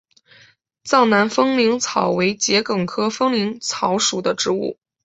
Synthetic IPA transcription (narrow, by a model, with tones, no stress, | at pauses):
t͡sɑ˥˩ʊna˧˥nfɤ˥ŋli˧˥ŋt͡sʰɑ˨˩ʊwe˧˥ɪt͡ɕjɛ˧˥kɤ˨˩ŋkʰɤ˥fɤ˥ŋli˧˥ŋt͡sʰɑ˧˥ʊʂu˨˩d̪ə˦ʈ͡ʂɻ̩˧˥ṵ˥˩